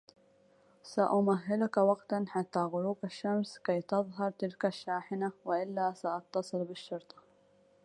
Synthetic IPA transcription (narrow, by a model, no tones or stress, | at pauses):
saʔʊmaɦːɪlʊkawɑɡt̪anħat̪ːaɣʊɾuːqaʃːamskajt̪ɑðˤɦɑɾˤt̪ɪlkaʃːaːħɪnawɪʔɪlːasaʔɑt̪ːɑsˤɨlbɪʃːʊɾt̪ˤɑ̥